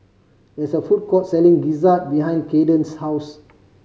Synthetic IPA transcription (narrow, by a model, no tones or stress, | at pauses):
dɛsəfut̚kɔtsɛlĩŋɡizat̚biɦãj̃nkedə̃nshaws